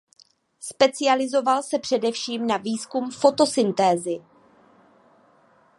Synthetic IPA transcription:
spɛt͡sɪalɪzo̞valsɛpr̝̥ɛdɛfʃiːmnaviːskumfo̞t̪o̞sɪnt̪ɛːzɪ

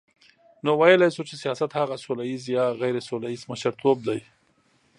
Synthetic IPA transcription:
nowajəlajsut͡ʃesijɑsat̪haɣasulajizjɑɣajɾesulaizmaʃaɾt̪ʰob̚d̪aj

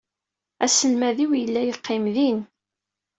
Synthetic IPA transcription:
æsəlmæðiwjəlːæjəqːɪmðin

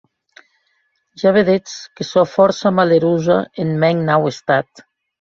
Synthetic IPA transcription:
ʒaβeðet͡skesofɔɾsamaleɾuza̰enmɛŋnawest̪at̪

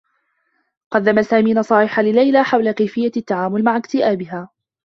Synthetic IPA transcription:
qɑd̪ːamasaːmiːnasˤɑːʕɪħalɪlajlaːħawlakajfɪjːat̪ːaʕaːmʊlmaʕakt̪ɪʔaːbɪɦaː

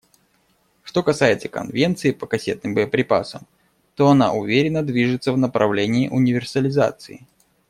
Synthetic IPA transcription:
ʂt̪o̞kɐsajɪt̪səkɐ̰nvʲe̞nt̪sɨɪpəkɐsʲe̞t̪nɨmbəjəpɾʲɪpa̰səm | t̪o̞ɐna̰ʔʊvʲeɾʲɪnːəd̪vʲiʐɨt̪səvnəpɾɐvlʲenʲɪːʔʊnʲɪvʲɪrsəlʲɪza̰t̪sɨɪ

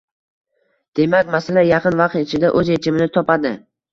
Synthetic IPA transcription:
d̪̥e̞makʲmasalajɑqʰɨnvɑq̚t̪ɪt͡ʃʰɪd̪aʔɵzet͡ʃʰɪmɪnɪt̪ʰɒpad̪ɪ

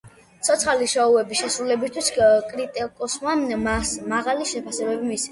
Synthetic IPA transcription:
t̪sʰɔt̪sʰχaliʃauɛbiʃɛsɾulɛbist̪ʰwiskʼɾit̪ʼɛkʼɔsmamasmaʁaliʃɛpʰasɛbɛbimisi̥

